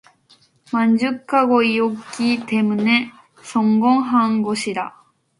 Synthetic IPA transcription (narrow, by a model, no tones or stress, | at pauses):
mãɲd͡ʑɨkːaɡoiokʲːit̪emɯ̟ne | sõŋɡõɰ̃ɦãŋɡoɕid̪a̰